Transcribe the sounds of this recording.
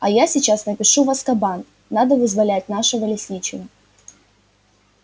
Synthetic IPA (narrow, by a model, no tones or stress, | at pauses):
ɐjasʲɪt͡ɕasnəpʲɪʂuvɐskɐban | nad̪əvɨzvɐlʲæt̚ʲnaʂɨvəlʲɪsʲnʲit͡ɕɪvə